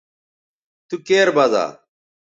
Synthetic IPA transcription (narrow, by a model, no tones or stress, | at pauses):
t̪ukeːɾbɐza̰ː